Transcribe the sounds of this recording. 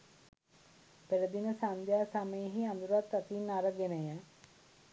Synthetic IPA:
peləd̪inəsand̪jaːsaməjəɦiand̪uɾat̪ːat̪inːaɾəɡenəjə

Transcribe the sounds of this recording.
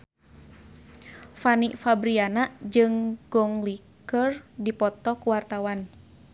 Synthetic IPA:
faniʔfabɾianad͡ʒɨŋɡ̥ɔŋli | kərdipɔt̪ɔkuwart̪awan

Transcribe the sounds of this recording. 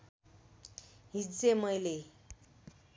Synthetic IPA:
ɦid͡zemʌjle

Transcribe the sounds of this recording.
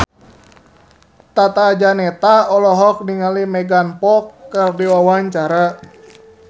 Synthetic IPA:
t̪at̪aːd͡ʒanɛt̪aɔlɔɦɔk̚niŋalimɛɡanpɔkːərdiwawaɲt͡ʃaɾa

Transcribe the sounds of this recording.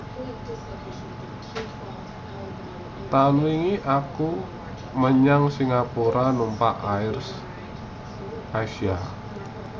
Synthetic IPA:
t̪anwiŋiʔaku | məɲaŋsiŋapuɾʔanumpaʔaɪrs | ʔasia

